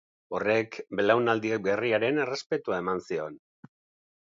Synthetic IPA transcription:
o̞re̞kbelawnald̪iek̚be̞riaɾe̞ne̞re̞spe̞t̪uae̞mansio̞n

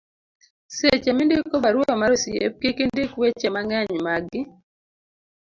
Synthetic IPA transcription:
set͡ʃemɪndɪkobaɾwomaɾosjḛp̚kikindɪkwet͡ʃemaŋɛɲmaɡːɪ

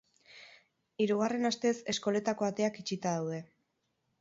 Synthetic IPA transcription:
iɾuɣ̞are̞nast̪e̞se̞sko̞le̞t̪ako̞at̪e̞akit͡ʃit̪aðawð̞e̞

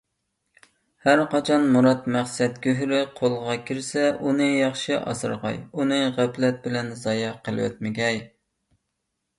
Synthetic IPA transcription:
hæɾqɑt͡ʃʰɑnmuɾɑt̪mæχsɛt̪kʲøɦɾɪqʰolˠʁɑkʲʰɪɾsɛʔunɨjɑχʃɪʔɑ̰sɨɾʁɑ̰junɨʁæplɛt̪̚bɪlɛnzɑjɑqʰəlˠɨ̰wɛ̰t̪mɪɡʲɛj

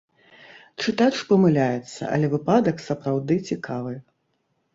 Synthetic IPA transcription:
t͡ʂɨt̪at͡ʂpɐmɨlʲajɛt̪sːɐ̰ʔɐ̰lʲɛvɨpad̪ɐksɐpɾawd̪ɨt͡sʲikʰavɨ

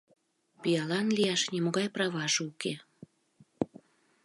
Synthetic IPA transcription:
pijɑlɑnlijɑʃnʲimoɣɑjprɑvɑʒɤuke

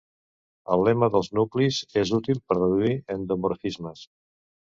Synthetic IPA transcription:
əlːɛməðəlˠznuklizezut̪ilˠpəɾrəðuiənd̪omoɾfizməs

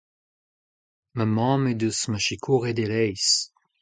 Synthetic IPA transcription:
mamɑ̃ːmed̪usməʃikʰuʁed̪elɛjs

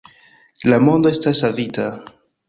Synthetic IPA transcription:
lamo̞nd̪oestasavita

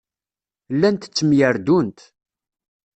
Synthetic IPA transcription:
lːænt̪ə̥t͡sːəmjəɾd̪unt̪

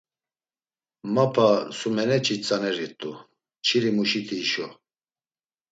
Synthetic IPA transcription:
mapʰasumɛnɛt͡ʃʰʼit͡sʼanɛɾit̪ʼu | t͡ʃʰiɾimuʃit̪ʰiːʃɔ

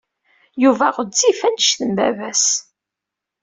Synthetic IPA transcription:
juvæʁəzːifænəʃθəmbæ̰væs

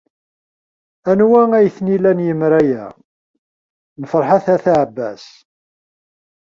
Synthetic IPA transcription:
ænwææjθnilænjəmɾæjæ̰ | nəfɾˤħaθæθaʕbːæ̰s

